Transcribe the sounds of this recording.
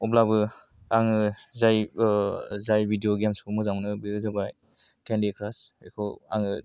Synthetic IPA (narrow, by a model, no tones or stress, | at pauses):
ɔblabɯ | aŋɯzaj | zajbʱidioɡamspɔmɔzamnɯbiɯzabaj | kendikʰɾasekʰɔwa̰ŋɯ